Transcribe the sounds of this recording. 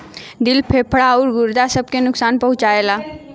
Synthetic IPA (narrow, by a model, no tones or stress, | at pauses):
d̪ɪlpʰeːpʰɽaɔːɾɡʊɾd̪asəb̚kenʊksaːnpəɦʊt͡ʃaːeːlaː